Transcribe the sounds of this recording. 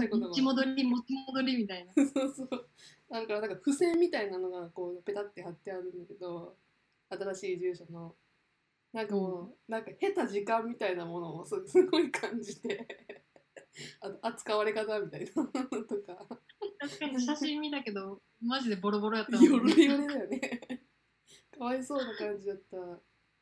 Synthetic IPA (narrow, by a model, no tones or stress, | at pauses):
okot̪oimod̪oɾʲimot͡ɕimod̪o̞ɾʲimʲit̪ainaso̞ːsoːnãakaɾanãŋkaɸɯ̟sẽ̞mːʲit̪ainano̞ɡako̞ːnope̞t̪at̪ːe̞hat̪ːe̞aɾɯ̟̃nd̪ake̞d̪o̞ | at̪aɾaɕiːd͡ʑɨːɕano̞ | nãŋkamonãŋkahe̞t̪aʑikãmːʲit̪ainamo̞no̞ːsɨsɨɡo̞ikʰãɲ̟d͡ʑid̪e̞ | at̪oʔat͡sɨ̥kaβaɾe̞kat̪amʲit̪ainat̪o̞kat̪aɕi̥kaɲɕaɕĩmːʲit̪ake̞d̪o̞ | maʑid̪e̞bo̞ɾobo̞ɾojat̪ːaɾiɾed̪ajone̞ | kaβaiso̞ːnakãɲd͡ʑid̪at̪ːa